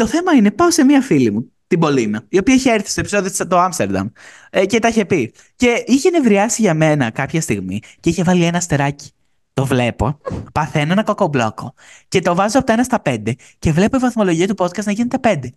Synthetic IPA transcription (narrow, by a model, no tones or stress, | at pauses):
t̪o̞θe̞mɐine̞pɐose̞miɐfilimu | t̪ibo̞linɐio̞piɐiçeeɾθist̪oepiso̞ðiot̪oɐmst̪e̞ɾd̪ɐ̰m | ce̞t̪ɐiçe̞pi | ce̞içenevɾiɐsiʝɐme̞nɐkɐpçɐst̪iɣmḭceiçe̞vɐlie̞nɐst̪eɾɐci̥ | t̪o̞vle̞po̞̰pɐθenoenɐkokoblo̞̰ko̞ | ce̞t̪o̞vɐzoɐpoe̞nɐst̪ɐpe̞nd̪e̞ | ce̞vle̞poivɐθmo̞lo̞ʝiɐt̪upo̞t̪̚kɐst̪nɐʝinet̪e̞pe̞nd̪e̞